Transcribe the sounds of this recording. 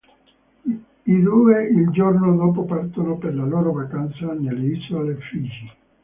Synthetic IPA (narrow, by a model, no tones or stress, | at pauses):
id̪uːeild͡ʒornod̪oːp̬opart̪onoperlaloːɾovakant̪sanelːeisolefiːd͡ʒi